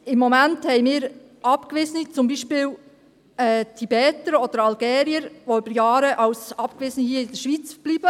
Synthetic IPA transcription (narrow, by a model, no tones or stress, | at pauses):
ɪmːomænthɛɪmɪːɾ | ʔɑpkʋɪzənit͡sʊmbiːʃpɪːl | ɛːtʰibɛːtəɾɔd̥əɾɑlɡɛːɾiəɾʋoybəɾjɑːɾəʔɑwsɑpkʋɪz̥ənhiːəɪdəʃʋit͡sb̥liːbə